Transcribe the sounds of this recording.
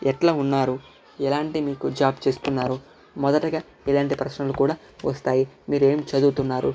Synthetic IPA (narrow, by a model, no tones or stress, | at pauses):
ɛʈlaːunːaːɾu | ɛlaːɳʈimiːkud͡ʒaːbt͡ʃe̞ːst̪unːaːɾu | mɔd̪ɐʈɐɡaː | ilaːɳʈipɾɐʃnɐlukuːɽaː | ʋɐst̪aːjimiːɾe̞ːmt͡ʃɐd̪uːt̪unːaːɾṵ